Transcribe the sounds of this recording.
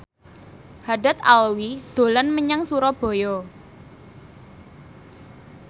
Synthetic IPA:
haɖat̪alwid̪̥o̤lɔnməɲaŋsuɾɔb̥o̤jɔ

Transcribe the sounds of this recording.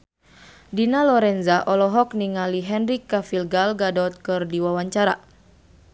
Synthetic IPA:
dinalɔɾɛnzaʔɔlɔɦɔkniŋaliɦɛnɾikːafilɡalɡadɔt̪̚kɨrdiwawaɲt͡ʃaɾa̰

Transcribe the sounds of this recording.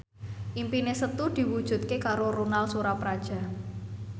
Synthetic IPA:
ʔimpinesət̪ud̪̥i̤wud̥ʒ̥ṳt̪̚kekaɾoɾunalsuɾapɾad̥ʒ̥a̤

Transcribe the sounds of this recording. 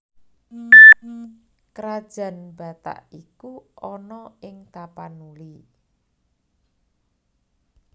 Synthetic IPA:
kəɾad̥ʒ̥ä̤nb̥ä̤t̪a̰ʔikuɔnɔɪŋt̪apanuli

